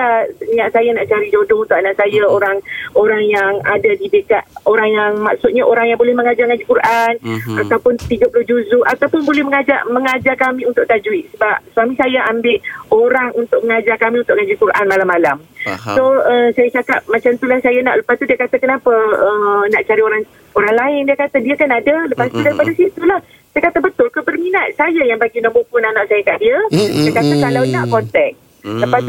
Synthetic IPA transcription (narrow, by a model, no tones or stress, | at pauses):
aniaʔsajanaʔt͡ʃaɾid͡ʒodount̪ʊʔanaʔsajaoɾaŋoɾaŋjaŋadadidəkat̪̚oɾaŋjaŋmaksʊt̪̚ɲaʔoɾaŋjaŋbolɛhməŋad͡ʒaŋad͡ʒukuɾʔanat̪awpʊnt̪iɡapulʊhd͡ʒuzuʔat̪awpʊnbolɛhməŋad͡ʒaʔməŋad͡ʒakamĩunt̪ʊʔ̚t̪ad͡ʒuiʔsəbap̚suamĩsajaʔambɪʔoɾaŋunt̪ʊk̚məŋad͡ʒakamiunt̪ʊʔŋad͡ʒuikuɾʔanmalamːalamsoəsajat͡ʃakap̚mãt͡ʃamt̪ulahsajana̰ʔləpast̪udiakat̪akənapaənaʔt͡ʃaɾioɾaŋ | oɾaŋlaɪndiakat̪adiakanadaləpast̪udaɾipadasit̪ulah | sajakat̪abət̪ʊlkəbərminat̪̚sajajaŋbaɡinãʔmbokʊnanaʔsajakaʔdiəajakat̪akalawnaʔkɔnt̪ɛk̚ | ləpast̪